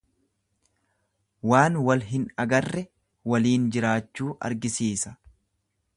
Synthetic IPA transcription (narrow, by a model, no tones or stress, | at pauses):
waːnwɐlɦɪnɐɡɐrːɛ | wɐliːnd͡ʒɪɾaːt͡ʃːuːʔɐ̰ɾɡɪsiːsɐ̥